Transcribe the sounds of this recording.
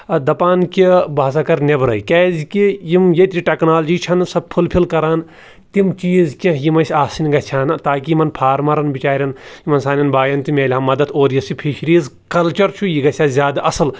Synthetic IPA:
d̪ɐpaːnkʲibaːs̬akɐɾnʲebɾɐ̰jkʲɛːzʲkijimjet̪ʲɾʲiʈʲeknaːld͡ʒiːt͡ʃʰɐnsɐb̚pʰulpʰilkɐɾaːn | t̪imt͡ʃiːzkʲɐ̃jimɐʃʰʲaːsinʲɡɐt͡ʃʰaːnɨt̪aːkʲijimɐnpʰaːɾmɐɾɐnbit͡ʃaːɾʲɐnjimɐnsaːnʲɐnbaːjɐnt̪imʲeːlʲɦɐmːɐd̪ɐt̪ʰoːɾjɐsipʰiːʃɾiːz | kɐlt͡ʃɐɾt͡ʃʰujiɡɐt͡ʃʰʲaːzʲjaːd̪aʔɐsɨl

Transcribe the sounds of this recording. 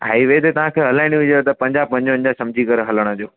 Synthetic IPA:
a̰ːiʋɐet̪et̪ɐʋ̤ãkʰeːɦɐlaːɪñũʋɪd͡ʑet̪ɐpɐ̃ɲd͡ʑaːb̚pɐ̃ɲd͡ʑõə̃nd͡ʑasɐ̃md͡ʑʱikɐɾeɦɐləɽ̃əd͡ʑoː

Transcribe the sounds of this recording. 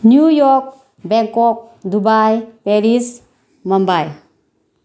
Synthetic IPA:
njujɔk̚ | bɛŋkɔp̚d̪ubajpeɾis | mɔmbaj

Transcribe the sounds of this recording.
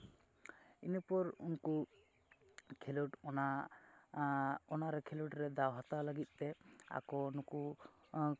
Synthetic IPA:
inepɔɾṵnku | kʰeluʈna | ɔnaɾɛkʰeluʈɾɛd̪awɦat̪alaɡit̪̚ˀt̪ɛa̰kɔunɔku

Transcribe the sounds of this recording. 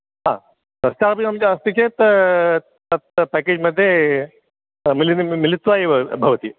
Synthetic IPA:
ɦã̰ | t̪ɐst͡ɕaɾpɐamd͡ʑaəst̪it͡ɕʰet̪ | at̪̚pæked͡ʑməd̪ʱːje | milinmilit̪ːaɦibʱɐʋət̪ḭː

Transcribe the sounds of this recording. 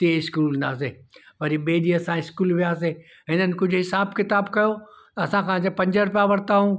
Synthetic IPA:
t̪ieɪskuːlɪ̃nd̪aːs̬eːʋɐɾiɓeːɗiɐsãɪskuːlʋijaːse | ɦɪnənɪ̆kʊd͡ʑʱʊɦɪsaːbkɪt̪aːbkɐjo | t̪ɐɐsãkʰãːd͡ʑepɐ̃ɲd͡ʑəɾʊp̬jaʋɐɽt̪aːɦũː

